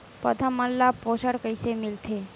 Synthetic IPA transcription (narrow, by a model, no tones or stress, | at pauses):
pə̰t̪ʰəmːəlːaposəɽkəjsemilt̪ʰe